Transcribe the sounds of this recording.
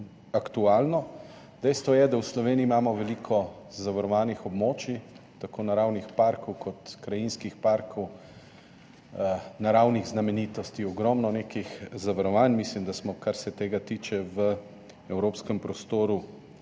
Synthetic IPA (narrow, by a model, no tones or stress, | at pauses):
akt̪uaːlnɔ | d̪̥ɛjst̪ʋɔjɛd̪awslɔʋeːniːmaːmɔʋɛliːkʰɔ | zaʋaɾɔʋaːnixɔbmoːt͡ʃit̪akoːnaɾawnixpaɾkɔwkʰɔt̪kɾajinskixpaɾkʰɔw | naɾawniɣznamɛniːt̪ɔst̪iɔɡɾɔmnɔneːkixzaʋaɾɔʋanmislimd̪asmɔkaɾsɛt̪eːɡat̪iːt͡ʃɛʋə | ɛwɾoːpskɛmpɾɔst̪oːɾu